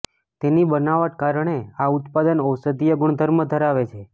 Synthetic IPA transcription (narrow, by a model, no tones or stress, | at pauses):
t̪enibənaʋaʈ̚kaɾɳ̃eaut̪pad̪ənɔsət̪ijəɡʊɳd̪ʱəɾməd̪ʱəɾaʋet͡ʃʰe